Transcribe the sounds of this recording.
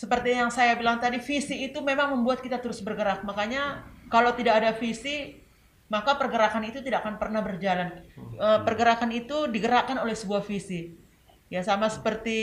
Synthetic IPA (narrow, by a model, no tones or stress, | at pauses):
səpərt̪ijaŋsajabilaŋt̪adifisiːt̪umemaŋməmbuat̪̚kit̪at̪əɾʊsbərɡəɾak̚makaɲakalawt̪idakadafisi | makapərɡəɾakanit̪ut̪idaakanpərnahbərd͡ʒalanəpərɡəɾakanit̪udiɡəɾakanolɛhsəbuahfisi | jasamasə̥pərt̪i